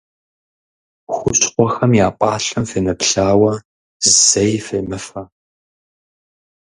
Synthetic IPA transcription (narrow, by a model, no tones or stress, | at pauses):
xʷʊɕʼqʷɔxɐmjaːpʼɑːɬɐmfeːnɐpɬaːwɐ | zɨzɐjfeːmɨfɐ